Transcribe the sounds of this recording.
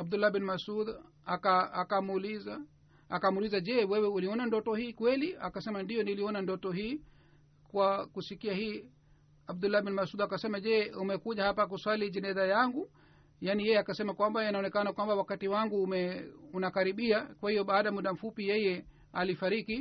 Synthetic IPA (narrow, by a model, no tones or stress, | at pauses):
ab̚d̪ulːabinmasud̪ | akaakamuliza | akamulizad͡ʒɛwɛwɛuliɔnandɔtɔhiːkwɛlia̰kasɛmandijɔniliɔnandɔtɔɦiː | kwakusikiahiː | ab̚d̪ulːabinmasuːd̪akasɛmad͡ʒɛumɛkuʄahapak̬uswalid͡ʒɛnɛzajaŋɡu | jaːnijɛjɛakasɛmakwambaɛnaɔnɛkanakwambawakatiwaŋɡumɛunakaɾiɓiakwahijɔɓaːɗamuɗam̩fupijɛjɛ | alifaɾiki